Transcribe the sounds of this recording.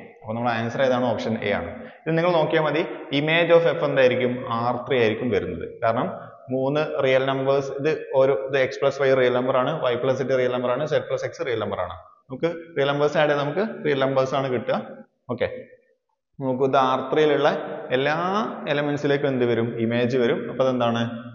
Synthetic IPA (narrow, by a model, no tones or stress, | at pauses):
ɐpːonɐmːuɭɽeaːnsɐreðaːɳɨoːpʂɐnḛːja̰ːɳɨ̰iðɨniŋːɐɭno̞ːkːijamɐðiime̞ːd͡ʑoːfefend̪aːjiɾikʲːumaːrt̪rijaːjiɾikʲːumʋɐɾunːɐ̰ðɨ̰kaːɾɐɳɐmː | uːnːɨrijɐlnɐmbɐrsiðɨoɾuiðɨekspɭɐsʋɐjrijɐlnɐmbɐraːɳɨʋɐjpːɭɐs̬iʈːirijɐlnɐmbɐraːɳɨsepɭɐse̞ksɨrijɐlnɐmbɐra̰ːɳɨ̰nɐmukːɨrijɐlnɐmbɐrsaːjɽenɐmukːɨrijɐlnɐmbɐrsaːɳɨkiʈːuɣɐ | o̞ːkːe̞ | nɐmuk̬ːɨðɨaːrt̪rijiluɭːɐe̞lːaːelɐmensile̞ːkːɨʋend̪ɨʋɐɾumime̞ːd͡ʑɨʋɐɾumɐpːoðend̪aːɳɨ